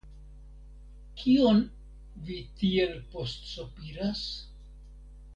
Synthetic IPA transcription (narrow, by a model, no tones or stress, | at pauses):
kʰio̞n | vitie̞lpo̞stsopiɾas